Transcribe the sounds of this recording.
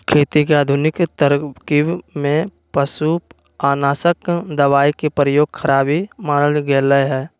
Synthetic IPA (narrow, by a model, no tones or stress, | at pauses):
kʰeːt̪ikeaːd̪ʱʊnɪkt̪əɾkibmẽ | pəsu | aːnaːsəkd̪əʋaːikepɾəjoːɡkʰəɾaːbimaːnəlɡələɦɛː